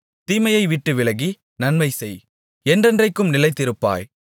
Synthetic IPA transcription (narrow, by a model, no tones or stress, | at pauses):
t̪iːmɐjɐɪʋɪʈːɯʋɪlɐɣi | nɐnmɐɪsɛj | ɛndrɛndrɐɪkːɯmnɪlɐɪt̪ːɪɾɯpːa̰ːj